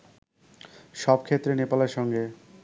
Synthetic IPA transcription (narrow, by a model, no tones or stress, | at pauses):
ʃɔbkʰet̪ːɾenepalaɾʃɔŋɡe